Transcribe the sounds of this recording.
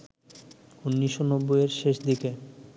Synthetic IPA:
unːiʃːonɔbːojeɾʃeʃd̪ike

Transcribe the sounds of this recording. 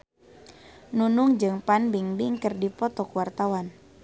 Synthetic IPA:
nunuŋd͡ʒɨŋpanbiŋbiŋkərdipɔt̪ɔkuwart̪awan

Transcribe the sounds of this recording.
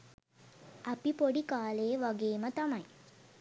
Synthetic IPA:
apipoɖikaːleəʋaɡeːmət̪amaj

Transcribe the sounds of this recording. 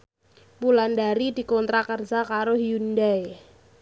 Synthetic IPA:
pulandaɾid̪̥i̤kɔnt̪ɾakərd͡ʒakaɾohiundae

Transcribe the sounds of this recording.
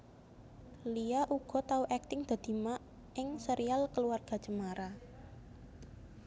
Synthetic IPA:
liaʔuɡ̥ɔ̤t̪auʔɛk̚t̪ɪŋd̪̥a̤d̪̥i̤maʔ | ɪŋsəɾʔialkəluarɡ̥a̤d͡ʒ̥əmaɾa

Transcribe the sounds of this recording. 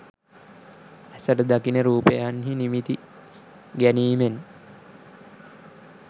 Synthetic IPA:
æsəʈəd̪akinəɾuːpəjaanɦinimit̪i | ɡæniːmen

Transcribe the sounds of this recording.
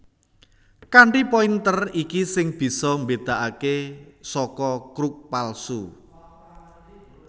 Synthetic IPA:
kaɳʈipɔint̪ərikisɪŋb̥i̤sɔmbed̪̥a̤ʔakesɔkɔkɾuk̚palsu

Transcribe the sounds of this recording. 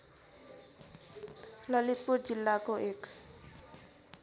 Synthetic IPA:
lʌlit̪̚puɾd͡zilːakoʔek

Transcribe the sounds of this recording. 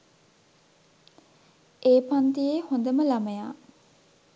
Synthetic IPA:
ʔeːpant̪ijeːhond̪əməlaməjaː

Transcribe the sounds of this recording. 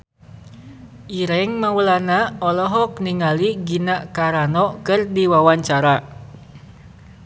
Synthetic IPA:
ʔiɾɛŋmaulanaɔlɔɦɔk̚niŋaliɡinaʔkaɾanɔkɨrdiwawaɲt͡ʃaɾa

